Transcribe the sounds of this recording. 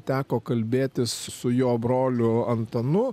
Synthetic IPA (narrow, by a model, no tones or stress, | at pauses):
t̪ʲæːkoːkɐlʲbʲeːt̪ʲɪssʊjoːbɾoːlʲʊɐnt̪ɐnʊ